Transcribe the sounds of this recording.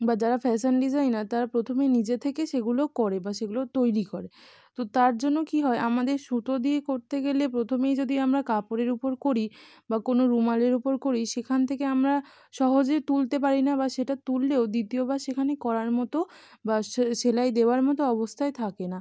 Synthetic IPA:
bad͡ʑaɾafɛsenɖid͡ʑajnat̪aɾapɾot̪ʰomenid͡ʑet̪ʰekeʃeɡulokɔɾebaʃeɡulot̪ojɾikoɾe | t̪ot̪aɾd͡ʑonːokiɦɔeʔamad̪eɾʃut̪od̪iekoɾt̪eɡelepɾot̪ʰomejd͡ʑod̪iamɾakapoɾeɾupoɾkoɾi | bakonoɾumaleɾupoɾkoɾiʃekʰant̪ʰekeamɾa | ʃɔɦod͡ʑet̪ult̪ep̬aɾinabaʃeʈat̪ulːeod̪it̪iobaʃekʰanekɔɾaɾmɔt̪o | baʃʃelaed̪eoaɾmɔt̪oɔβost̪ʰaet̪ʰakena

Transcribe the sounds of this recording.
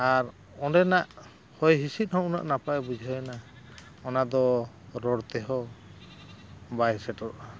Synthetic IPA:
aɾ | ɔnɖɛnaʔ | hɔjɦisit̪̚ˀhɔ̃ʔuna̰ʔnapaɛbud͡ʒʱiɦɔjna | ɔnad̪ɔ | ɾɔɽt̪ɛɦɔ | bajsɛʈɔɾʔa

